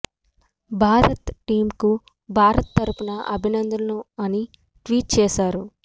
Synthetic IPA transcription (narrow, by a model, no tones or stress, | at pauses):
bʱaːɾɐt̪ʈiːmku | bʱaːɾɐt̪t̪ːɐɾupunɐʔɐbʱinɐnd̪ʱɐnɐnuɐni | ʈʋiːʈ̚t͡ʃɛːʃaːɾu